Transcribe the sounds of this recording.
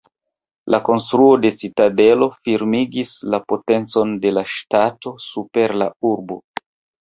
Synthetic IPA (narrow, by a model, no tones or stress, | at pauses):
lako̞nstɾuo̞de̞sitade̞lo̞fiɾmiɡislapo̞te̞nt͡so̞nde̞laʃtato̞supe̞ɾlauɾbo̞